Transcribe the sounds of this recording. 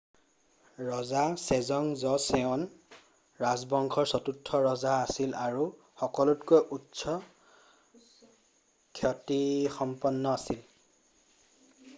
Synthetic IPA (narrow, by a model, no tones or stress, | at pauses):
ɹɔzasɛzɔŋzɔsɛɔn | ɹazbɔŋkʰɔɹsɔtutʰːɔɹɔzaːsilaɹu | xɔkɔlutkojʔutsɔ | kʰɔtixɔmpɔnːɔasil